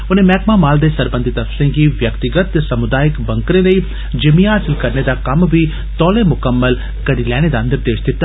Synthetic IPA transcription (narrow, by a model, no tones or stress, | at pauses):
ʊnẽmɛːkmamaːld̪esɐɾbə̃nd̪ʱit̪ɐfsẽkiʋjɐkt̪ɪɡət̪sɐmʊd̪aːjɪkbɐ̃ŋkɾẽlɐi | d͡ʒɐmiɦaːsɪlkɐɾned̪akɐmbʱi | t̪ɔːlẽmʊkəmːəl | kɐɾilɛːɽ̃ed̪aɐ̃nd̪əɾd̪eːʃd̪ɪt̪ː